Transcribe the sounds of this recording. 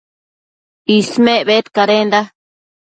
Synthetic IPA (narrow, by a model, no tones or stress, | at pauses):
ismẽʔβet̪kaɾend̪a